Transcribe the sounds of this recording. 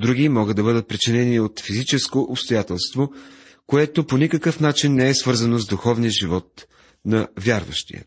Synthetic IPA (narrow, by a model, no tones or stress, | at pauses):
d̪ɾuɡʲimɔɡəd̪ɐbɤd̪ət̪̚pɾit͡ʃɛnɛniot̪fizit͡ʃɛskoʔopst̪ojat̪ɛlˠst̪vo | koɛt̪oponikəkɤfnat͡ʃinːɛɛsvɤɾzənozd̪uxɔvnijəʒivɔt̪̚ | nɐvʲjaɾvə̰ʃt̪ḭjə̰